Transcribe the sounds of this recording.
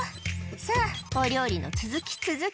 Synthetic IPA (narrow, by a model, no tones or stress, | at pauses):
saoɾʲo̞ːɾʲino̞̰t͡sɨzɨkʲi̥t͡sɨzɨ